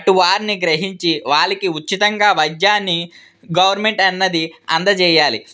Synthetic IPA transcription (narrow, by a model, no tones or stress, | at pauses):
ɐʈuʋaːɾiniɡɾeɦiɲt͡ʃiʋaːɭikiutːt͡ʃːit̪ɐŋɡaːʋɐjd̪jaːnːi | ɡɐʋɐɾme̞ɳʈɐnːɐd̪iɐ̰nd̪ɐt͡ʃɛːjaːli